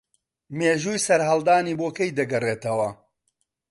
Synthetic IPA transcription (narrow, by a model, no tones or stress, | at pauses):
meːʒuːjsɐɾɦɐlˠd̪aːniːboːkɐjd̪ɐɡɐreːt̪ɐwɐ